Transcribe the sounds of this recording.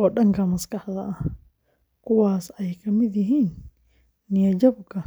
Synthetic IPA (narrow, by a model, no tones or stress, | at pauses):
ɔːɗɐŋkʰɐmɐskɑħd̪ɐʔɐ | kʰʊwaːsɛjkʰɐmɪd̪jɪɦiːnː | ɪjɐd͡ʒɐbkʰɐ